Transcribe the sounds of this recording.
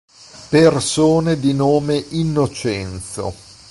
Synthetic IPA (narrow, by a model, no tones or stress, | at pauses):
persoːned̪inoːmeʔinːot͡ʃɛnt̪so̰